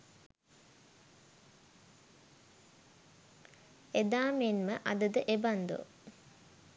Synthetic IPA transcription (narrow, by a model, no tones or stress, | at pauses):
ed̪aːmenməʔad̪əd̪əʔeband̪o̰